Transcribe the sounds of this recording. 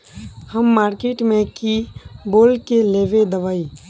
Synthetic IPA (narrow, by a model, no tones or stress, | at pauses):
həmːaːɾkeʈmẽkiboːlkeleːʋed̪əʋaːi